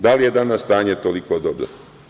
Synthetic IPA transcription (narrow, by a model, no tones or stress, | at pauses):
d̪alijed̪anast̪aːɲet̪olikod̪obɾo̰